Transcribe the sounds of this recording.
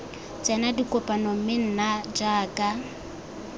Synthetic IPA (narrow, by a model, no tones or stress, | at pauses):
t͡sʼɛnadikʼʊpʼanɔm̩mɪn̩nad͡ʒaːkʼa